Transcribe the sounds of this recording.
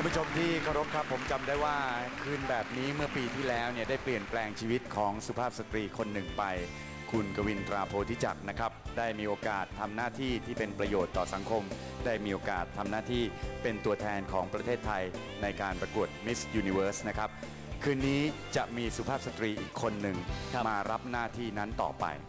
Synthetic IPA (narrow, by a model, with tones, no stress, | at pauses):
ku˧mbu˥t͡ɕʰo˧mt̪ʰiː˥˩kʰa˥˩wɾo˦˥p̚kʰɾa˦˥pʰːo˩˦mt͡ɕa˧mdaː˥˩jwaː˥˩kʰɯː˧nbɛː˨˩p̚niː˦˥mɯ˥˩ɐpiː˧t̪ʰiː˥˩lɛː˦˥wni˥˩ɐdaː˥˩jpli˨˩ənplɛː˧ŋt͡ɕʰiː˧wi˦˥t̪̚kʰɔː˩˦ŋsu˨˧˩pʰaː˥˩p̚sa˧t̪ɾiː˧kʰo˧nːɯ˨˩ŋpa˧j | kʰu˧nka˧wi˧nt̪ɾaː˧pʰoː˧t̪ʰiː˦˥t͡ɕa̰˨˩k̚na˦˥kʰɾa˦˥p̚daː˥˩jmiː˧ʔoː˧kaː˨˩t̪ʰːa˧mnaː˥˩t̪ʰiː˥˩t̪ʰiː˥˩pe˧npɾa˧joː˨˩t̪ːɔː˨˩sa˩˦ŋkʰo˧m | daː˥˩jmiː˧ʔoː˧kaː˨˩t̪ʰːa˧mnaː˥˩t̪ʰiː˥˩pe˧nt̪u˧ɐt̪ʰɛː˧nkʰɔː˩˦ŋpɾa˧t̪ʰeː˥˩t̪ʰːa˧j | na˧jkaː˧npɾa˧ku˨˩ət̪̚mi˦˥sjuː˧ni˧wɤː˦˥sna˦˥kʰa˦˥p̚ | kʰɯː˧niː˦˥t͡ɕa˨˩ʔmiː˧su˨˩pʰaː˥˩p̚sa˧t̪ɾiː˧ʔiː˨˩kʰːo˧nːɯ˨ŋʰa˦˥˩maː˧ɾa˦˥p̚naː˥˩t̪ʰiː˥˩na˦˥nt̪ɔ̰ː˨˩pa̰˧j